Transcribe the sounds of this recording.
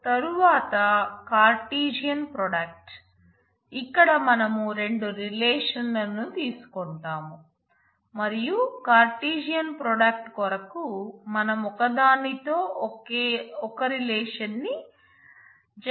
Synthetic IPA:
t̪ɐɾuʋaːt̪ɐkaːɾʈiːd͡ʒijɐnpɾɔːɖɐk̚ʈ | ikːɐɽɐmɐnɐmuɾe̞ɳɖuɾileːʂɐnlɐnːut̪iːsu̥kɔɳʈaːmu | mɐɾijukaːɾʈiːd͡ʒijɐnpɾɔːɖɐk̚ʈkɔɾɐkumɐnɐmɔkɐd̪aːnit̪oːkeɔkɐɾileːʂɐnːi | d͡ʒ

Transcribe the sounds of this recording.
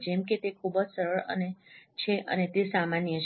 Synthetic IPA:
d͡ʒemket̪ekʰubəd͡ʒsəɾəɭə̰net͡ʃʰeʔə̰net̪esamanjət͡ʃʰ

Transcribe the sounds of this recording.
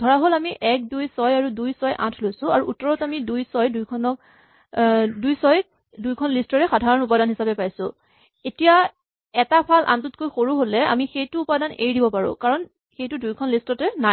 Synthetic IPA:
dʱɔɹaɦolamiʔɛk̚dujsɔjaɹudujsɔjʔã̰tʰlojsʊ̃aɹuʔutːɔɹɔtamidujsɔjdujkʰɔnɔk̚ | dujsɔj | dujkʰɔnlistɔɹɛxadʱaɹɔnupadanɦisapɛpajsʊ̃ | etija | ɛtapʰalʔa̰ntʊt̚kojxoɹuɦolɛa̰mixejtʊːpadanḛjdibɔpaɹʊ̰̃kaɹɔn | xejtʊdujkʰɔnlistɔtɛna

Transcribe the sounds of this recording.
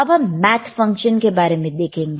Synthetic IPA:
ɐbɦɐmmɛːt̪ʰfɐ̃ŋkʃənkebaːɾemẽd̪eːkʰẽːŋɡ

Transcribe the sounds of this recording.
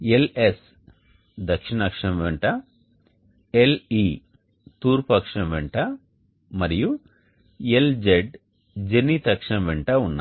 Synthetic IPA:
eles | d̪ɐkʂiɳaːkʂɐmʋeɳʈɐ | eli | t̪uːɾpɐkʂɐmʋeɳʈɐ | mɐɾiju | eld͡ʒeɖ | d͡ʒenit̪ɐkʂɐmʋeɳʈɐunːa̰

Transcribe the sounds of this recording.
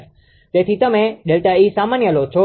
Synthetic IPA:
t̪et̪ʰit̪əmẽɗelʈaisamanjəlot͡ʃʰo

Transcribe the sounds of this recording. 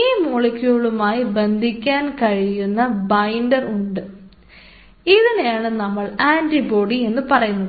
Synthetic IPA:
iːmuɭɐkʲːuɣɐɭumaːjibe̞nd̪ʱikʲːaːnkɐɻijunːɐbɐjndɐruɳɖɨ | iðinejaːɳɨnɐmːɐɭaːnʈibo̞ːɽie̞nːɨpɐrɐjunːɐð

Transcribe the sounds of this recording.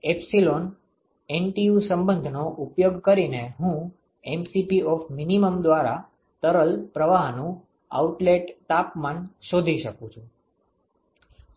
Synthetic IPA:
epsilon | enʈijusəmbənd̪ʱnoʔupjoɡkəɾineɦũ | emsipiɔfminiməmd̪ʋaɾa | t̪əɾəlpɾəʋaɦnũ | a̰uʈleʈt̪apmanʃod̪ʱiʃəkũt͡ʃʰũ

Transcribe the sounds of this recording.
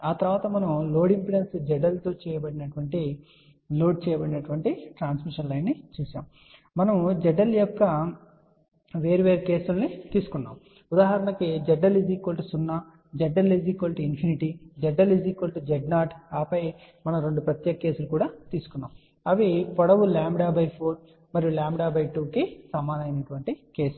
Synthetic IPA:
aːt̪ɐɾʋaːt̪ɐmɐnɐmlo̞ːɽimpiɽensd͡ʒɛɖɐlt̪oːt͡ʃɛːjɐbɐɽinɐʈuʋɐɳʈi | lo̞ːɖ̚t͡ʃɛːjɐbɐɽinɐʈuʋɐɳʈiʈɾaːnsmiʂɐnlɐjnːit͡ʃuːsa̰ːmː | ɐnɐmd͡ʒɛɖɐljɔkːɐ | ʋe̞ːɾiʋeːɾike̞ːsulnit̪iːsu̥kunːa̰ːm | ud̪aːɦɐɾɐnɐkid͡ʒɛɖːɐliziːkʋɐlʈisunːaː | d͡ʒɛɖːɐliziːkʋɐlʈiinpʰiniʈid͡ʒɛɖːɐliziːkʋɐlʈud͡ʒɛɖnaːʈaːpɐjmɐnɐmɾeɳɖupɾɐt̪jɛːɡɐkːe̞ːsulukuːɽaːt̪iːsu̥kunːa̰ːm | ɐʋipɔɽɐʋulaːmɽaːbɐjpʰoːɾ | mɐɾjulaːmɽaːbɐjʈuːkisɐmːaːd̪ɐjnɐʈuʋɐɳʈike̞ːsu̥lu

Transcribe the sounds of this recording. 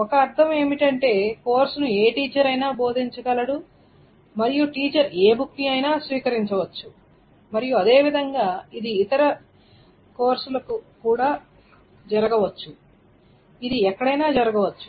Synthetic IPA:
ɔkɐːɾt̪ʰɐme̞ːmiʈɐɳʈe̞ːko̞ːɾsunueːʈiːt͡ʃɐɾɐjnaːbo̞ːd̪ʱiɲt͡ʃɐɡɐlɐɽu | mɐɾijuʈiːt͡ʃɐɾe̞ːbuk̪ːiɐjnaːsʋiːkɐɾiɲt͡ʃɐʋɐt͡ʃːu | mɐɾijuɐd̪e̞ːʋid̪ʱɐŋɡaːid̪iːt̪ɐɾɐ | ko̞ːɾsulɐkukuːɽaː | d͡ʒɐɾɐɡɐʋɐt͡ʃːu | id̪iɛkːɐɽɐjnaːd͡ʒɐɾɐɡɐʋɐt͡ʃːu̥

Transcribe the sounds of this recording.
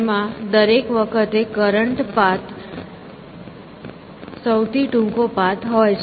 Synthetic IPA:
mãd̪əɾekʋəkʰət̪ekəɾəɳʈpat̪ | səwt̪ʰiʈũŋkopat̪ɦojt͡ʃ

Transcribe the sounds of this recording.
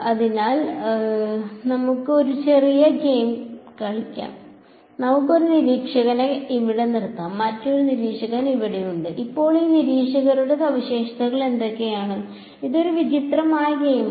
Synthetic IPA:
ɐðinaːl | nɐmukːɨo̞ɾut͡ɕe̞rijɐɡe̞jmkɐɭikʲːa̰ːm | nɐmukːo̞ɾuniɾiːkʂɐɣɐne̞iʋiɽe̞niɽt̪ːaːmːɐtːoɾuniɾiːkʂɐɣɐniʋiɽijuɳɖɨʔipːo̞ːɭiːniɾiːkʂɐɣɐɾuɽesɐʋiɕe̞ːʂɐt̪ɐɣɐɭe̞nd̪o̞kːe̞jaːɳɨ | iðo̞ɾuʋit͡ɕit̪rɐmaːjɐɡe̞jm

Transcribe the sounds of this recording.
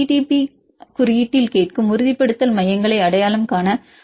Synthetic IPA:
iʈipi | kʊɾɪjɪʈːɪlkeːʈkɯmʊɾʊðɪpːɐɽɯt̪ːɐlmɐjɐŋɡɐɭɐɪɐɽɐjaːlɐmkaːnɐ

